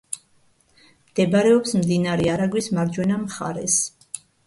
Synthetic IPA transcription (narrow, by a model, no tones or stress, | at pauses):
md̪̥ɛbaɾɛɔpsmd̪inaɾɛaɾaɡwismaɾd͡ʒwɛnamχa̰ɾɛs